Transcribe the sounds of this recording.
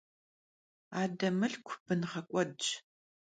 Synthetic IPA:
aːdɐmɨɬkʷʰb̥ɨnʁɐkʷʼɔdt͡ʃ

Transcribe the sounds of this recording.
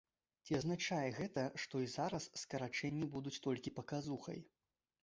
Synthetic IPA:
t͡sʲiɐznat͡ʂajɛɣɛt̪ɐʂt̪ɔizaɾɐsːkɐɾat͡ʂɛnʲːibud̪ut͡sʲt̪ɔlʲkʲipɐkazuxɐ̰j

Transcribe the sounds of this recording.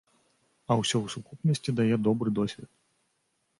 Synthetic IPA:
ɐwsʲɛwsukupnʲɐsʲtʲid̪ajɛd̪ɔbɾɨd̪ɔsʲvʲɛt̪̚

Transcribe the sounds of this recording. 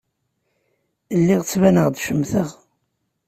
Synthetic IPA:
əlːiʁt͡sːvænəʁd̪ʃəmːθəʁ

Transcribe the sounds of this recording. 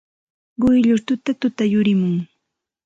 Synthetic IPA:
ɢʊjʎʊɾt̪ʊt̪at̪ʊt̪ajʊɾɪmʊŋ

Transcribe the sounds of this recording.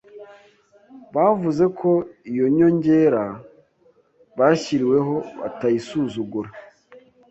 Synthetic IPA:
βavuze̞kʰo̞ijo̞ɲo̞ɲɟe̞ɾa | βaçiɾiwe̞ɦo̞βa̰tajisuːzuɡuɾa

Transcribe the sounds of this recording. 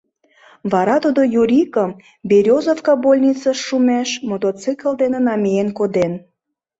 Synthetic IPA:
βɑɾɑt̪ud̪ojuɾʲikəm | beɾʲozofkɑbolʲnʲit͡sɑʃːumæʃmot̪ot͡sɨkəld̪enĕnɑmʲijenkod̪en

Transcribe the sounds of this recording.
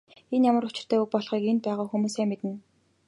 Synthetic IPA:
enjamə̆rɾʊt͡ɕɪ̆r̥t̪ʰæːuk̚pɔɮχiːkenpæːʁʊːxumuːsæːmet̪ɘ̆n

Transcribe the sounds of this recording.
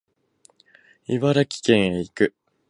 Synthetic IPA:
iβaɾakʲi̥kẽ̞ɰ̃eikɯ̟

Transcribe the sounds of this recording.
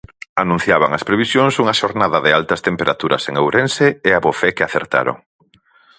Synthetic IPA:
anũn̟θjaβa̰ŋɐspɾeβisjoŋsuŋɐʃoɾnaðɐðɪalt̪ɐst̪empeɾat̪uɾɐ̰seŋewɾenseːaβofɛkɪaθeɾt̪a̰ɾo̰ŋ

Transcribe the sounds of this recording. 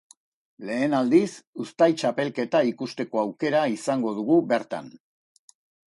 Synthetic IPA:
le̞ːnald̪isust̪ajt͡ʃape̞lke̞t̪aikust̪e̞ko̞awke̞ɾaisaŋɡo̞ð̞uɣ̞ube̞ɾt̪a̰n

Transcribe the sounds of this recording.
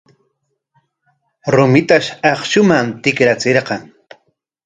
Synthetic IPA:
ɾʊmɪt̪aʃɑχʃʊmamt̪ɪkɾat͡seɾqɑŋ

